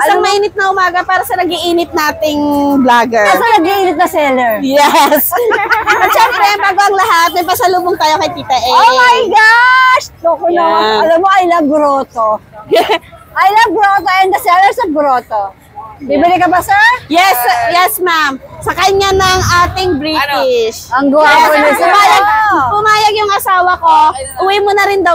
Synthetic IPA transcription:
sɐŋmɐʔiːnɪt̪̚nɐʔʊmaːɡɐpaːɾɐsɐnɐɡɪʔiːnɪt̪̚naːt̪ɪŋblaːɡɛɹsɐnɐɡiʔiːnɪt̪̚nɐsɛlɛɹjɛs | ɐt̪ʃɛmpɾɛbaːɡoɐŋlɐɦat̪̚mɐjpɐsɐluːboŋt̪aːjo̞kɐjt̪iːt̪ɐʔɛomajɡaʃt̪okʊnoɐlɐmːoʔɐjlɐbɾoːt̪o | ʔɐjlɐɡɾot̪oʔɐjonkɐsɛawɛsɐɡɾot̪o | bibɪlɪkɐbasɛɹjɛsjɛsmam | sɐkɐɲanɐŋʔaːt̪ɪŋbɾiːt̪ɪʃɐŋɡolʊmaːjɐɡpʊmaːjɐɡjʊŋɐsaːwɐko̞ʔʊwɛmonɐɾɪnd̪ɐw

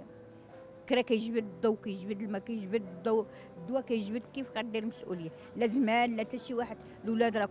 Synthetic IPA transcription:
a | kəɾækæjʒbəd̪d̪ˤːuwkæjʒbəd̪lmækæjʒbəd̪d̪uw | d̪wækæjəʒbəd̪kifqɑd̪iɾməsʔṵləjːa | læzmænlæt̪æʃiwaħəd̪ | lwlæd̪ɾˤɑk

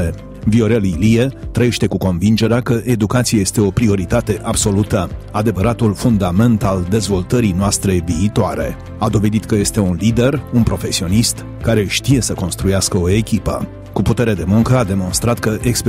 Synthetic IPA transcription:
e | vio̞ɾeliliet̪ɾəjeʃt̪e̞kuko̞nvind͡ʒe̞ɾeakəʔed̪ukat̪sijaje̞st̪e̞o̞pɾio̞ɾit̪at̪e̞ʔabso̞lut̪əad̪e̞vəɾat̪ulfund̪ame̞nt̪ald̪e̞zvo̞lt̪əɾinoast̪ɾe̞viːt̪oaɾe̞̰ | ad̪o̞ve̞d̪it̪kəje̞st̪e̞unlid̪e̞runpɾo̞fe̞sio̞nist̪ | kaɾe̞ʃt̪ije̞səko̞nst̪ɾujaskəo̞e̞kʲipə̰ | kuput̪e̞ɾe̞d̪e̞muŋkəad̪e̞mo̞nst̪ɾat̪kəʔeksp

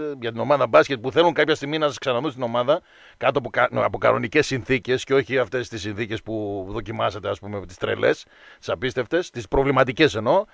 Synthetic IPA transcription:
ʝɐt̪ino̞mɐðɐbɐsket̪ipuθe̞luŋkɐpçɐst̪iɣminɐsɐsksɐnɐðunst̪ino̞mɐðɐ | kɐt̪opɐpokɐ̰no̞̰nice̞sːinθice̞sceo̞çiɐft̪e̞st̪isːinθice̞spuðo̞cimɐset̪eɐspumeot̪i̥st̪ɾe̞̰lʔe̞̰s | t̪i̥sɐpist̪e̞ft̪e̞st̪ispɾo̞vlimɐt̪ice̞se̞no̞

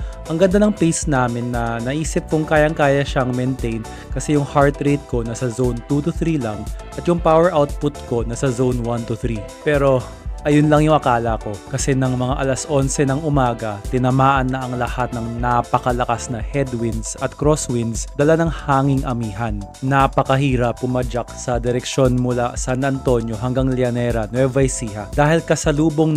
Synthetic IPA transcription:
ʔɐŋɡɐnd̪anɐŋpejsnaːmɪnːɐnɐʔiːsɪp̚kʊŋkaːjɐŋkaːjɐʃaŋmɛnt̪ɛjn | kɐsɛjʊŋhaɹt̪ɾejt̪̚ko̞nɐsɐzownt̪ut̪ʊθɾilɐŋʔɐt̪jʊŋpawɛɹʔawt̪̚pʊt̪̚ko̞nɐsɐzownwant̪ʊθɾipɛːɾo̞ | ʔɐjʊnlɐŋjʊŋʔɐkaːlɐko̞kɐsɛnɐŋmɐŋaʔɐlasʔonsɛnɐŋʔʊmaːɡɐt̪ɪnɐmaːʔɐnːɐʔɐŋlɐhat̪̚nɐŋnapɐkɐlɐkasnɐhɛd̪wɪnsɐt̪kɾoswinsd̪ɐlanɐŋhaːŋɪŋʔɐmiːɦɐnːapɐkɐhiːɾɐpːʊmad͡ʒak̚sɐd̪ɛɾɛkʃo̞nmʊlasanɐnt̪o̞njo̞ɦɐŋɡaŋlɛɐnɛɾɐnwɛvɐjsiːhɐd̪aːhɪlkɐsɐluːboŋ

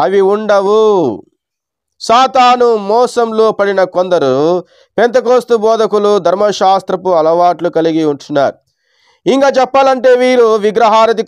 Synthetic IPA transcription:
ɐʋiuɳɖɐʋu | saːt̪aːnumɔːsɐmloːpɐɽinɐkond̪ɐɾu | pent̪ɐkoːst̪ubɔːd̪ɐkulud̪ʱɐɾmɐʃaːst̪ɾɐpuɐlɐʋaːʈlukɐliɡiuɳʈunːa̰ːɾu | iŋkaːt͡ʃɛpːaːlɐɳʈe̞ːʋiːɾuʋiɡɾɐɦaːɾɐd̪i

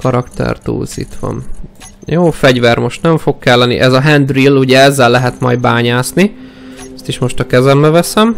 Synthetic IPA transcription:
kɒɾɒkt̪ɛ̰rt̪ṵːsḭt̪ʋɒ̰n | joːfɛɟvɛrmo̞ʃt̪nɛɱfo̞kkɛlːɛnːḭʔɛzɒɦɛnd̪riluɟɛɛzːɛlːɛɦɛt̪mɒjd̪baːɲaːsni | ɛst̪iʃmo̞ʃt̪ɒkɛzɛmbɛvɛsɛm

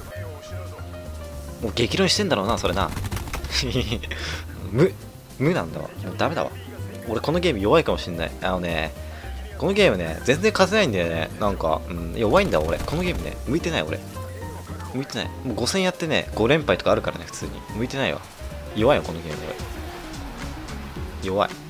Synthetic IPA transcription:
moːɡe̞kʲiɾõɕi̥t̪e̞nd̪aɾo̞ːnaso̞ɾe̞na̰ | ɯ̃mɯ̟ | mɯnã̰nd̪a̰βa̰d̪emd̪ame̞d̪a̰βa̰ | o̞ɾeko̞no̞ɡʲe̞ːmɯ̟jo̞βaikamo̞ɕĩnːa̰ḭanonḛ | ko̞no̞ɡʲe̞ːmɯ̟nḛzẽ̞nd͡zẽ̞ŋkazenaĩnd̪enḛnãŋka̰ɯ̟̃ɴjoβaĩnd̪aoɾe̞̰ko̞no̞ɡʲe̞ːmɯ̟nḛmɯ̟it̪e̞naḭo̞̰ɾḛ | mɯ̟it̪e̞na̰ḭmoːɡo̞sẽ̞ɰ̃jat̪ːe̞nḛɡ̥o̞ɾẽ̞mpait̪o̥kaːɾɯ̟kaɾa̰ne̞ɸɯ̥t͡sɨ̰ːɲ̟ḭmɯ̟it̪e̞naḭβa̰ | joβaijako̞noɡʲe̞ːmɯ̟oɾḛ | jo̞βa̰i

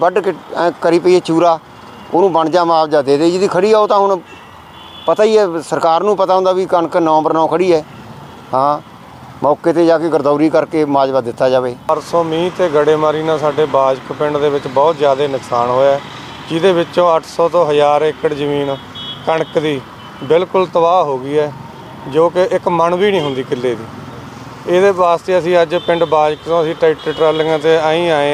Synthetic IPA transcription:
bəɖkːkəɾiːpəiːɛːt͡ʃuːɾaː | oːnũːbəɳd͡ʒaːmaːpd͡ʒaːd̪eːd̪eːd͡ʒɪd̪iːkʰəɽiːaːoːt̪ãːɦʊɳ | pət̪aːiːɛːsəɾkaːɾnũːpət̪aːõnd̪aːʋiːkəɳknəːbəɾnãːkʰəɽiːɛː | ɦãː | mɔːkeːt̪eːd͡ʒaːkeɡəɾd̪aːɾiːkəɾkeːmaːd͡ʒʋəd̪ɪt̪ːaːd͡ʒaːʋeːpəɾsɔːmĩːt̪eːɡəɽeːmaːɾiːnãːsaːɖeːbaːd͡ʒkəpɪɳɖd̪eːʋɪt͡ʃbɔːt̪zjaːd̪eːnəksaːnɦoːjaɛː | d͡ʒɪd̪eːbɪt͡ʃõːəʈʰsɔːt̪õːɦəd͡ʒaːɾɪkəɽzəmiːn | kəɳəkd̪iː | bɪlkʊlt̪əbaːɦoːɡiːɛː | d͡ʒoːkɪʔɪkmənʋiːnĩːɦʊ̃nd̪iːkɪlːeːd̪iː | eːd̪eːʋaːst̪eːəsĩːəd͡ʒpɪ̃ɳɖbaːd͡ʒəkt̪õːəsĩːʈaɪʈeːʈɾɛːlɪŋãːt̪eːaːĩːaːẽː

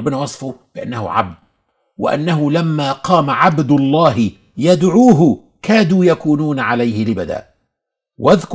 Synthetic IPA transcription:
bːɪnaːwɑsˤfʊbɪʔanːahʊ̰ʕa̰b̚d̪̚ | wɪ̰ʔa̰nːaɦʊlamːaːqɑːmaʕabd̪ʊlˤːɑːɦɪ | jad̪ʕuːɦʊ | kaːd̪uːjakuːnuːnʕalajhɪlɪbad̪a̰ːʔ | wʔaðk

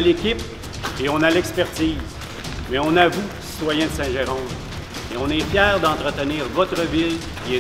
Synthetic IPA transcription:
lekʲɪp̚ | eɔ̃nalɛkspɛʁt̪iːz | mɛɔ̃navukʲi̥ssi̥t̪wajɛ̃d̪əsɛ̃ʒeʁɑ̃d̪ | eɔ̃nɛfjɛːʁd̪ɑ̃t̪ʁət̪əniːʁvɔt̪ʁəvɪl | kʲiɛ

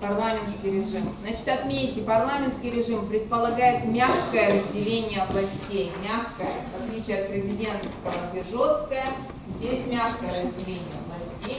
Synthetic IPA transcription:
pɐrlˠamʲɪnskʲɪjɾʲɪʐɨmznat͡ɕɪ̥t̪ɐt̪mʲenʲitʲɪpɐrlˠamʲɪnt̪skʲɪjɾʲɪʐɨmpɾʲɪt̪̚pəlˠɐɡajɪt̪mʲaxkəjəɾəzʲdʲɪlʲenʲɪjəvlˠɐsʲtʲejmʲaxkəjəvɐt̪lʲit͡ɕɪɐt̪̚pɾʲɪzʲɪdʲe̞nt̪əskɐɪnʲtʲɪʐo̞st̪̚kəjə | zʲdʲesʲmʲaxkəjəɾəzʲdʲɪlʲenʲɪjəvlˠɐsʲtʲej

